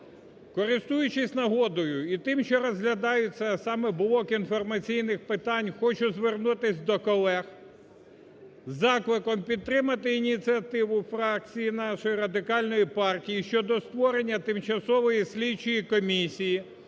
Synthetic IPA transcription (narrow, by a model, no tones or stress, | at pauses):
kɔɾɪst̪ujʊt͡ʃɪsʲnɐɦɔd̪ɔjʊit̪ɪmʃt͡ʃɔɾɔzɦlʲɐd̪ɑjʊt͡sʲːɐsɑmɛbʊlˠɔkinfɔrmɐt͡sʲijnɪxpɪt̪ɑnʲxɔt͡ʃʊzʋernut̪ɪsʲd̪ɔkɔlˠɛx | zɑklˠɪkɔmpʲid̪̚t̪ːɾɪmɐt̪ɪinʲit͡sʲiɐt̪ɪʋʊfɾɑk̚t͡sʲijinɑʃɔjiɾɐd̪ɪkɑlʲnɔjipɑrtʲijiʃt͡ʃɔd̪ɔst̪ʋɔɾe̞nʲːɐt̪ɪmt͡ʃɐsɔʋɔjisʲlʲit͡ʃɔjikɔmʲisʲiji